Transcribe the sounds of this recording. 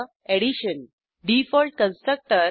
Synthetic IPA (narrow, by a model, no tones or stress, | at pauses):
eɽiɕən | ɖifɔlʈkə̃nstʈɾək̚ʈəɾ